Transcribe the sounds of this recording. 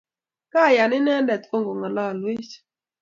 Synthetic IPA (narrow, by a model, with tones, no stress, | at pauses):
ka˦˨ja˨nɪ˦nɛ˦ndɛ˨t̪ko˦ŋɡo˨ŋa˨lɔ˦a˨lwi˦t͡ʃ